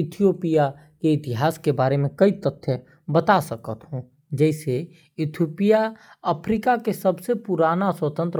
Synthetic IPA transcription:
ɪt̪ʰijoːpija | keɪt̪ɪɦaːskebaːɾemẽkɐit̪ət̪ʰːjə | bət̪asɐkət̪ɦõː | d͡ʒɛːse | ɪt̪ʰjoːpijaəpʰɾiːkakesɐbsepʊɾaːnaswət̪ə̃nt̪ɾ

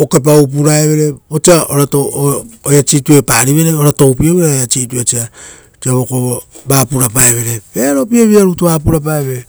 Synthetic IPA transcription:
okep̬aup̬uɾaeβe̞ɾeot͡ʃiaʔoɾatoojat͡ʃitue̞paɾiβe̞ɾeoɾato̞wpioβeɾeojat͡ʃituet͡ʃia | t͡ʃiaβokobaːpuɾapaeβe̞ɾeβeɾopieβiaɾutoβapuɾap̬aeβeɾe

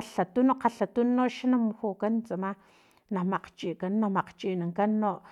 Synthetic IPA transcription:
aɬat̪unoqaɬat̪unːoʔʃanamxokant͡sama | nahmaq͡χt͡ʃiːʔkanːahmaqt͡ʃiːʔnaŋkanːoʔ

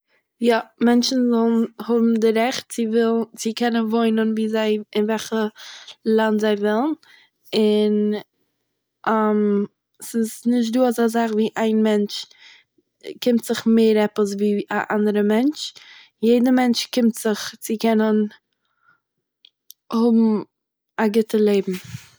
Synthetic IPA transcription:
jamɛnt͡ʃn̩zɔlˠn̩hʊbm̩dɪɾɛχt̚t͡sɪvɪt͡sɪkʰɛnənvoɪnənviːzaɪɪnvɛlχəlˠantzaɪvɪlˠən | ɪn | ʔam | sɪsnɪʃ̬tduːazazaχviːʔaɪnmɛnt͡ʃ | kʰɪmtz̥ɪχmeɪɾɛpəs̬viːaʔandəɾəmɛnt͡ʃ | jeɪdəmɛnt͡ʃkɪmtz̥ɪχt͡sɪkɛnən | hʊbm̩ | aɡɪtəlˠeɪbm̩

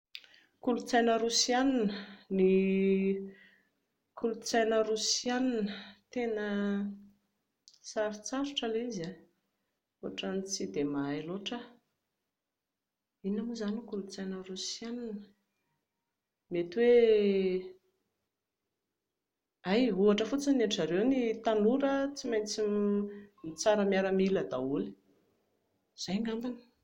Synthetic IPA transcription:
kulut͡sajnəɾusijaninəni | kʰulut͡sajnəɾusianinət̪enə | saɾit͡saɾuʈ͡ʂəleiza | oʈ͡ʂanit͡sid̪emailoʈ͡ʂə | inamuzanukulut͡sajnərusjananə | met̪iwe | ajɦuaʈ͡ʂəfut͡səneaʈ͡ʂaɾewnit̪anuɾət͡simajnt͡si | mit͡saɾəmjaɾəmiləd̪auli̥ | z̥ajŋambani̥

